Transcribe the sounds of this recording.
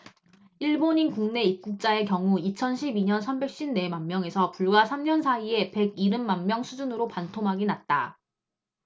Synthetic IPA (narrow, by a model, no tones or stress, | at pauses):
iɭboɲinkuŋne̞ip̚k͈uk̚t͡ɕ͈ae̞kjʌŋuit͡ɕʰʌnɕʰibiɲʌnsʰambe̞k̚ɕ͈inne̞manmjʌŋe̞sʰʌpuɭɡwasʰamɲʌnsʰaie̞pe̞ɡiɾɯmːanmjʌŋsʰud͡ʑunɯɾopantʰomɦaɡinat̚t͈a